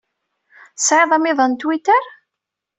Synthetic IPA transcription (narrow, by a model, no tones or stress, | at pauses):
sʕɪðˤɑmiðˤənt̪wit̪əɾ